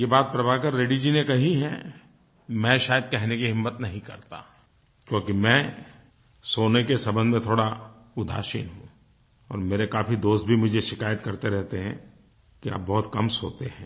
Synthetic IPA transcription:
jebaːt̪̚pɾɐbaːkəɾːeːɖid͡ʒinekɐɦiɦɛ̃ | mɛ̃ʃaːjəd̪̚kɛɦnekiɦɪmːət̪nɐɦĩkɐ̰ɾt̪a̰ː | kjõːkimɛ̃ː | soːnekesɐbə̃nd̪mẽt̪ʰoːɽa | ʊd̪ʱa̰ːʃḭnɦũ | ɔ̰ːɾmeːɾekaːpid̪oːst̪̚bʱimʊd͡ʒʱeʃɪkaːjət̪kɐɾt̪eɾɛɦt̪eɦɛ̰̃ | kia̰ːp̚bɔɦʊt̪kɐmso̰ːt̪eɦɛ̃ː

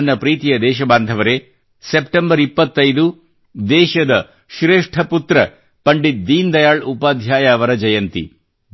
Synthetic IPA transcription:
nːɐpɾiːt̪ijɐd̪ɛːʃɐbaːnd̪ʱɐʋɐɾe | sepʈembɐɾipːɐt̪ːɐjd̪u | d̪ɛːʃɐd̪ɐ | ʃɾeːʂʈʰɐput̪ɾɐ | pɐɳɖit̪̚d̪iːnd̪ɐjaːɭupaːd̪ʱjaːjaɐʋɐɾɐd͡ʒɐjɐnt̪ḭ

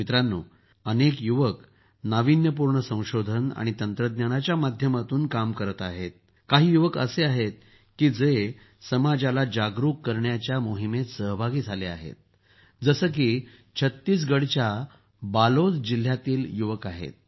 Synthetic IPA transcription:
mit̪ɾanːṵː | ənekjuʋək | naʋinjəp̬uɾɳəsə̃w̃ɕod̪ʱəna̰ɽ̃it̪ənt̪ɾəd̪njanat͡ɕjamad̪ʱjəmat̪uːnkamkəɾət̪aɦet̪̚ | kaɦiːjuʋəkə̰seaɦet̪̚ | kiːd͡ze | səmad͡ʑalad͡ʑaɡɾukːəɾɳjat͡ɕjamoɦimesəɦbʱaɡiːd͡zʱalea̰ɦḛt̪̚ | d͡zəsəːk̬iː | t͡ɕʰət̪ːiːs̬ɡəɽt͡ɕja | balot͡sd͡ʑil̤ːjat̪iːljuʋəkaɦḛt̪̚

